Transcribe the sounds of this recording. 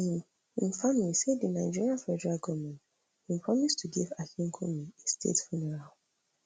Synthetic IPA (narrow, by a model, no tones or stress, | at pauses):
ĩn | ĩnfamiliseddinaɪd͡ʒiɹiãnfɛdɛɹalɡɔvmɛ̃nt | hĩmpʰɹɔmistʰuɡivakĩŋkʰomiestʰḛtfunɛɹal